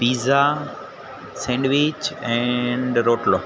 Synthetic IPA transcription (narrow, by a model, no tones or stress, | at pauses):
piːza | sɛ̃ɳɖʋɪt͡ʃɛ̃ɳɖɾoːʈlɔː